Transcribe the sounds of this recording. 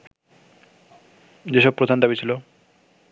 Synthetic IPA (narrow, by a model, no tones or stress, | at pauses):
d͡ʑeʃɔb̚pɾod̪ʱand̪abit͡ɕʰilo